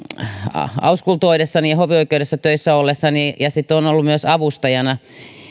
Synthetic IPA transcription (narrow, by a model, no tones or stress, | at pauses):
ɑ̰ɑ̰uskult̪oidesːɑnijɑhoʋioikeudesːɑt̪øisːæolːesːɑnijɑsit̪ːonolːumyøsɑʋust̪ɑjɑnɑ